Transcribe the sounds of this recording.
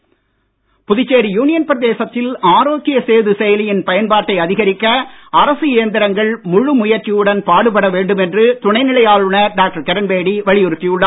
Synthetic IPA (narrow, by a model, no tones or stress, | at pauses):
pʊðɪt͡ʃːeːɾijuːnɪjɐnpɾɐðeːsɐt̪ːɪlaːɾoːkɪjɐseːðɯsɛjɐlɪjɪnpɐjɐnpaːɾʈːɐɪɐðɪɣɐɾɪkːɐɐɾɐsɯeːɐnd̪ɪɾɐŋɡɐɭmʊɻɯmʊjɐɾt͡ʃːɪjɯɽɐnpaːɽɯpɐɽɐʋeːɳɖɯmɛndrɯt̪ʊɳɐɪnɪɭɐjaːɻɯɳɐɖaːk̚ʈɐɾkɛɾɐnbeːɽiʋɐɭɪjʊɾɯt̪ːijɯɭːɐ